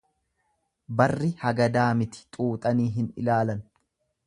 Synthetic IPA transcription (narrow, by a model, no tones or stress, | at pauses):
bɐrːɪhɐɡɐd̪aːmɪt̪ɪ̥t̪ʼuːt̪ʼɐniːɦɪnɪ̰laːlɐn